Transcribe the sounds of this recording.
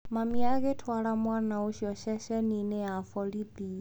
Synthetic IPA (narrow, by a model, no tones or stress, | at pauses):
mamiaɣɛtʰwaɺamwanauʃiɔʃɛʃɛninɛafɔlibi